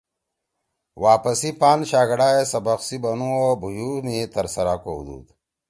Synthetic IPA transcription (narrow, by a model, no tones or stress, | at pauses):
waːpɐsipaːnɕaːɡɐɽaːesɐbɐqsibɐnũobʱujuːmit̪ɐɾsɐɾaːkoud̪ṵːd̪